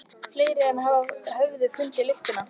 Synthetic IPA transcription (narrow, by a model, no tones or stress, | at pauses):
fleːjɾɪɛnɦaːvahœvðʏfʏnt̪ɪlɪft̪ʏna